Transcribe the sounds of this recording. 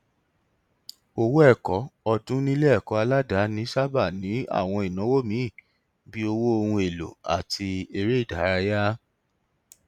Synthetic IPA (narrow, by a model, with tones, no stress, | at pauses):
o˧wo˦ɛ˦˨kɔ˨˦ɔ˧dũ˦nĩ˦lɛ˦ɛ˦˨kɔ˨˧˦a˧la˦da˨˦nĩ˨˦ʃa˦ba˦˨nĩ˨˦a̰˦˨w̃ɔ̃˧i˨nã˨˦wo˦˨mĩ˦˨ | bi˦o˧wo˦o˧hũ˧e˨lo̰˨a̰˨tʰi˧e˧ɾe˦i˦˨da˨˦ɾa˧ja˦